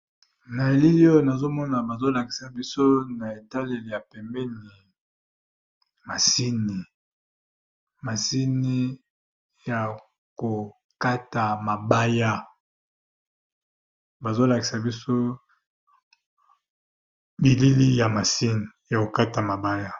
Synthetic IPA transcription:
na˨e˨li˦li˦ɔ˦jo˦˨na˨zo˦mɔ˦na˨ba˨zo˦la˨ki̥˨sa˨bi˦so˦na˨e˨ta˦le˨li˨ja˨pɛ˨mbɛ˦ni˨ | ma˨si˦ni˨ | ma˨si˦ni˦ | ja˨ | ko˨ | ka˦ta˨ma˨ba˦ja˦ | ba˨zo˦la˨ki˨sa˨bi˦so˦ | bi˨li˦li˦ja˨ma˨si˦ni˨ja˨ko˨ka˦ta˨ma˨ba˦ja˦

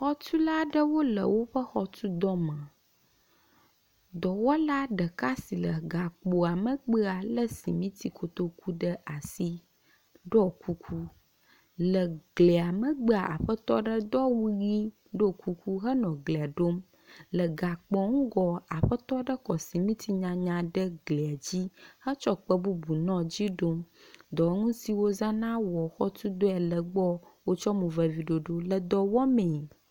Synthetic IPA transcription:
xɔ˦t͡ʃu˦la˦ɖə˦wo˦lə̰˨wo˦ɸə˦xɔ˨tu˦d̪ɔ˦mə̃˨ | d̪ɔ˨wɔ˦la˦ɖə˨ka˦si˨lə˨ɡa˨k͡po˨a˨mə˨ɡ͡bə˦a˨lə˦sḭ˨mĩ˦t̪i˨ko˨t̪o˦ku˦ɖə˦ʔa˨si˦ | ɖɔ˦ku˦kʰu˦ | lə˨ɡle˨a˨mə̃˨ɡ͡bə˦a˨ʔa̰˨ɸə˦t̪ɔ˦ɖə˦d̪ɔ˦wu˦ɣi˦ | ɖo˦˨kʰu˦ku˦ɦə˦nɔ̃˨ɡle˨a˨ɖo˦m | lə˨ɡa˨k͡pɔ̃˨ŋũ˦ɡɔ˨a˨ɸə˦t̪ɔ˦ɖə˦kɔ˨si˨mĩ˦t̪ʰi˦ɲã˨ɲã˨ɖə˦ɡle˨a˨d͡ʑi˦hə˦t͡ʃɔ˦k͡pə˦bu˦bu˨nɔ̃˦d͡ʑi˦ɖo˦md̪ɔ˨˦ŋũ˦si˨wo˦zã˦nã˦wɔ˨xɔ˦t̪u˦d̪o˦ɛ˨lə˨ɡ͡bɔ˦wo˦t͡ʃɔ˦mũ˨vɛ˨vi˨ɖo˨ɖo˦lə˨d̪ɔ˨wɔ˦mẽ˨

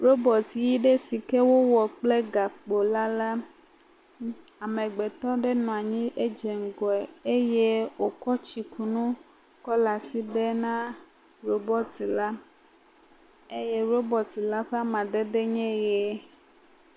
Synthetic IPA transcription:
ɾo˦bɔ˨t̪i˨ji˦ɖe˦si˨ke˦wo˦wɔ˨k͡ple˦ɡa˨k͡po˨la˦la˦ | a˨mẽ˨ɡ͡be˨t̪ɔ̃˦ɖe˦nɔ̃˨a˨ɲĩ˦ʔe˦d͡ʒe˨ŋ̩˨ɡɔ˨ɛ˨e˦je˦wo˨kɔ˦t͡ʃi˨ku˨nũ˦ | kɔ˦la˨si˦ɖe˦nã˦ | ɾo˨bɔ˦t̪i˨la˦ | e˦je˦ɾo˦bɔ˨t̪i˨la˦ɸe˦a˦mã˨d̪e˦d̪e˦ɲɛ̃˦ɣɛ˨˦

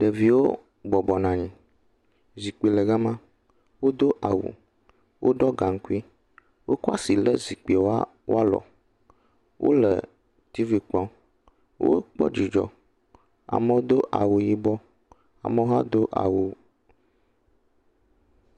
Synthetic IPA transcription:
ɖə˨vi˨wo˦ | bɔ˨bɔ˨nã˨ɲĩ˨ | zi˨k͡pi˨lə˨ɡa˦mã˦ | wo˦d̪o˦ʔa˨wṵ˨ | wʔo˦ɖɔ˦ɡa˨ŋ̩˦ku˦i˦ | wo˦ku˦a̰˦si˨lə˦zi˨k͡pi˨o˦a˦ | wo˦a˦lɔ̰˨ | wʔo̰˦lə̰˨ | t̪i˦vi˨k͡pɔ̃˦ | wʔo̰˦k͡pɔ̰˦d͡ʒi˨d͡ʒɔ̰˦ | a̰˨mə˦wo˦d̪o˦ʔa̰˨wu˨ji˦bɔ˦ | a̰˨mə˦wo˦a̰˦d̪o˦ʔa̰˨wu˨

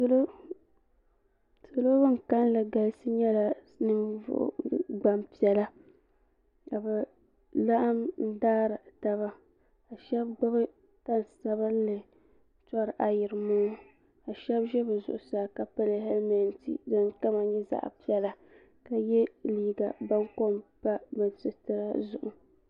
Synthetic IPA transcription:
so˦lo˦ | so˨lo˦bɨ˦ŋ˨ka˦n˦lɨ˨ɡa˨˦sɨ˦ɲɛ˦la˨ | nɨ˦vʊ̰˦ʔɡ͡ba˦mpi˨ɛ˦la˦ | ka˨bɛ˨ | la˦ʔa˦mn̩˦daː˦ɾɨ˨ta˦βa˦ | a˨ʃɛ˦b̚ɡ͡bʊ˦bɨ˦ | ta˦n˨sa˦ba˦n˦lɨ˨˦ | tɔ˦ɾʔa˨jɪ˨ɾɨ˨moː˦ | a˨ʃɛ˦bʒɛ˦bɨ˨zʊ̰˨ʔʊ˨saː˨˦˨ka˨pa˦lɨ˨ɦɛ˦lma˨ntḭ˨dɨ˦nka˦ma˨ɲɛ˦za̰˦ʔpi˦ɛ˦la˦ | ka˨jɛ˦liː˦ɡa˨ba˦ŋko˦mpa˦bɨ˨sɨ˨tɨ˦ɾa˦zʊ̰˨ʔʊ˨

